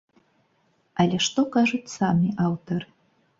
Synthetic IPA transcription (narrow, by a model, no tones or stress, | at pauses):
alʲɛʂt̪ɔkaʐut͡sʲsamʲiʔawt̪ɐrɨ